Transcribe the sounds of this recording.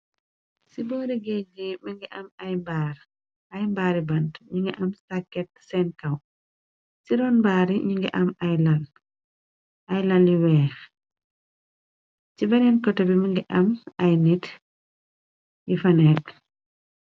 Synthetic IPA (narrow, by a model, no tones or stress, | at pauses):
sibɔːɾiɡɛɟimɐŋɡiʔɐmɐjmbaːɾ | ɐjmbaːɾibɐntɲiŋɡɛʔɐmsakːɛt̚sɛnkɐw | siɾɔnmbaːɾiɲiŋɡɛ̰ʔɐmɐjlɐl | ʔɐjlɐljiwɛːx | t͡ʃibɐnɛnkɔtɐbimɐŋɡiʔɐmɐjnit | jifɐnɛːk̚